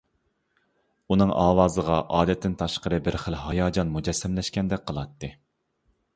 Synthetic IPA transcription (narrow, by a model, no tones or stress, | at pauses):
unɨŋʔɑːwɑːzəʁɑʔɑːd̪ɛt̪ʰːɪnt̪ʰɑʃqəɾɨbɪɾχəlɦɑjɑːd͡ʒɑnmud͡ʒɛsːɛmlɛʃkʲɛnd̪ɛk̚ʲqʰəlˠɑt̪ːɨ